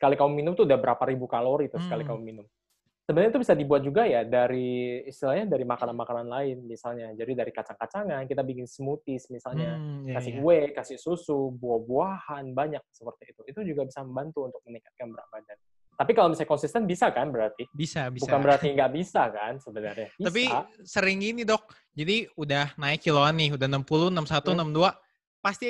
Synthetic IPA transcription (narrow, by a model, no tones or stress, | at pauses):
səkalikamʊmːinʊmt̪uːdahbəɾapaɾibukaloɾit̪ɾʊskalikaʊmːinʊm | səbənanɾit̪ubisadibuat̪̚d͡ʒuɡajadaɾiːst̪ilahɲadaɾimakananmakananlaɪnmisalɲad͡ʒadidaɾikat͡ʃaŋkat͡ʃaŋankit̪abiŋɪnsəmut̪ɪsmisalɲakasɪʔuwɛkasɪsusubuahbuahanbaɲak̚səpərt̪iːt̪uit̪ud͡ʒuɡabisaməmbant̪uːnt̪ʊk̚mənikḁt̪̚kanbəɾapadan | t̪apikalomisajkɔnsist̪ɛnbisakanbəɾart̪ibisabisbukanbəɾart̪iŋɡaʔbisakansəbənarɲatbiaspiasəɾɪŋinidɔk̚ | d͡ʒadiudahnaɪkːiloanːɪudahnəmpulunəmsat̪unəmdua | past̪i